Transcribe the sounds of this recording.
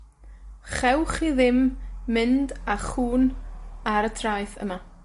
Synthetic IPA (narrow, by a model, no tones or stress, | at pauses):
χɛwχiðɪmːɪndaχuːnaɾətʰrajθə̰ma